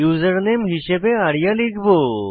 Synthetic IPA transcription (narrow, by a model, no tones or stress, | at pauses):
juzəɾnemɦiɕebeaɽjaliɡbʱo